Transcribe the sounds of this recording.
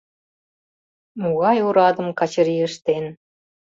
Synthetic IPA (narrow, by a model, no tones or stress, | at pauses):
muɣɑjuɾɑd̪ə̆mkɑt͡ɕə̆ɾiə̆ʃt̪en